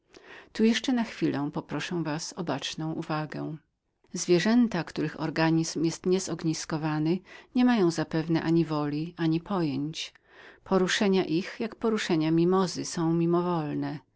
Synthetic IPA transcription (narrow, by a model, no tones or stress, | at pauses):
t̪ujɛʂt͡ʂɛnaxfʲilɛ̃pɔpɾɔʂɛ̃w̃vasɔbat͡ʂnɔ̃w̃ʔuvaɡɛ̃ | zvʲjɛʐɛnt̪akt̪uɾɘxɔ̰ɾɡaɲizmjɛst̪ɲɛzɔɡɲiskɔvanɘɲɛmajɔ̃w̃zapɛvn̪ɛʔaɲivɔlʲiaɲipʰɔjɛɲt͡ɕ | pʰɔɾuʂɛɲaʔixjakpɔɾuʂɛɲamʲimɔzɘsɔ̃w̃mʲimɔvɔlnɛ